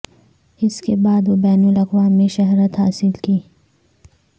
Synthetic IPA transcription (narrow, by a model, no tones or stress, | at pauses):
ɪskebaːd̪ʋobɛːnulɐqwaːmːẽʃɐɦɾət̪ɦaːsɪlkiː